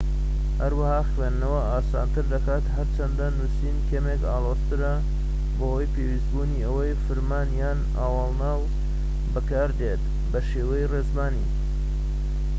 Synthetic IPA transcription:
hɐɾwɐhaːxwenːɐwɐaːsa̰ːnt̪ɨɾd̪ɐkaːt̪ɦɐɾt͡ʃʰɐnd̪ɐnusinkʰemeka̰ːlˠost̪ɨɾɐ | bɐhojpeːwiːst̪̚buːniɐwɐjfɨɾmaːnjaːn | aːwɑːlˠnaːw | bɨkaːɾd̪et̪ | bɐʃeːwɐjreːzmaːnḭ

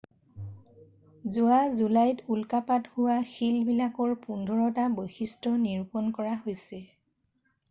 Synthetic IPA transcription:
zuazulajtulkapathʊwaxilbilakɔɹpundʱɔɹɔtabojxistɔniɹpɔnkɔɹaɦojsɛ

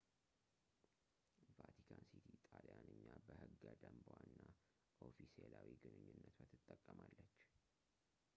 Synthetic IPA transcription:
vat̪ʰikʰansit̪ʰit̪ʼaljanɨɲːabəhɨɡːad̪əmbwanːa | ʔo̞fiselawiɡɨnɨɲːɨnːət̪bət̪ʰɨt̪ʼːəkʼːəmalːət͡ʃː

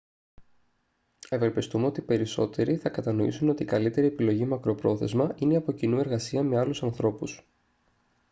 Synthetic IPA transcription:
evelpist̪umeo̞t̪ipe̞ɾiso̞t̪ʰe̞ɾiθɐkɐt̪ɐno̞ḭsuno̞t̪iːkɐlit̪e̞ɾiepilo̞ʝimɐkɾo̞pɾo̞θe̞zmɐineɐpo̞cinue̞ɾɣɐsiɐme̞ɐlusɐnθɾo̞pus

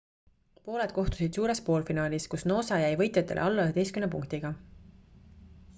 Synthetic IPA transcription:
po̞ːle̞d̪̥̚ko̞ht̪u̥sid̪̥suːɾe̞spo̞ːlfinɑːliskusno̞ːsɑjæjvɤ̞jt̪ˑet̪ːˑe̞̰lḛɑlːɑeet̪ejskynːepṵŋkt̪iɡ̥ɑ

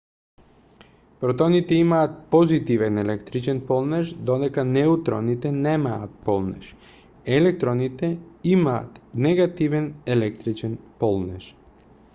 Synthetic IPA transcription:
pɾɔt̪onit̪ɛimaːt̪̚pozit̪ivɛnɛlɛkt̪ɾit͡ʃɛnpɔlˠnɛʒd̪od̪ɛkanɛut̪ɾɔ̰nit̪ɛnɛmaːt̪̚pɔlˠnɛ̰ʃ | ɛlɛk̚t̪ɾɔnit̪ɛima̰ːt̪nɛɡat̪ivɛnɛlɛkt̪ɾit͡ʃɛnpɔlˠnɛʃ

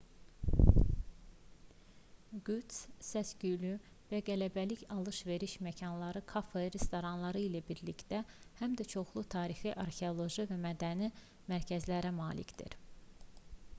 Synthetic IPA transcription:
ɡyt̪ssæsɟyly | væɡælæbæliçɑlˠɯʃve̞ɾiʃmæcʰɑnlˠɑɾɯkʰafeɾe̞st̪oɾɑnlˠɑɾɯilæbiɾlicd̪æhæmd̪æt͡ʃʰo̞χlˠut̪ʰɑːɾixiʔɑɾxeolˠo̞ʒivæmæd̪æni | mæɾcʰæzlæɾæmɑːlḭcd̪ḭɾ

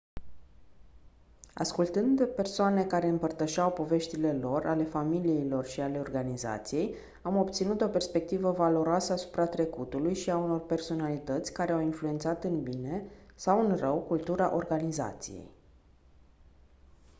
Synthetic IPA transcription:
a̰skult̪ɨnd̪pe̞rsoane̞kaɾe̞ɨmpərt̪əʃiawpo̞ve̞ʃt̪ile̞lo̞rʔa̰le̞familijejlo̞rʃiale̞o̞rɡaniza̰t̪sije̞j | amo̞b̚t̪sinut̪o̞pe̞rspe̞k̚t̪ivəvalo̞ɾoasəasu̥pɾat̪ɾe̞kut̪ulujʃiauno̞rpe̞rso̞nalit̪ət̪sʲkaɾe̞awinfluent̪sat̪ɨnbine̞sawɨnrəwkult̪uɾaʔo̞rɡaniza̰t̪sḭjḛj

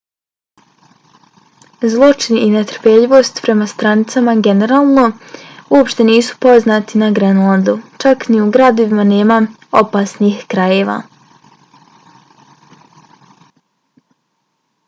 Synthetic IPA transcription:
zlˠo̞t͡ʃiniinet̪ɾpeʎiʋo̞st̪pɾe̞mast̪ɾanit̪samaɡe̞ne̞ɾaːlˠno̞uopʃt̪e̞niːsu̥po̞znat̪inaɡɾenlad̪ut͡ʃakniuɡɾaːd̪o̞ʋimane̞ːma | o̞paːsnixkɾaje̞ːʋa̰ː

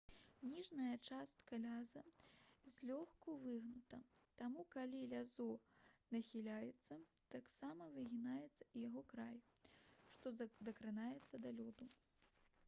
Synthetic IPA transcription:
nʲiʐnɐjɐt͡ʂast̪kɐlʲazɐzʲlʲɔxkuvɨɣnut̪ɐt̪amukalʲilʲazɔnɐxʲilʲajɛt̪sːɐt̪aksamɐvɨɣʲinajɛt̪sːɐ̥ijaɣɔkɾajʂt̪ɔd̪ɐkɾɨnajɛt̪sːɐd̪alʲɔd̪u

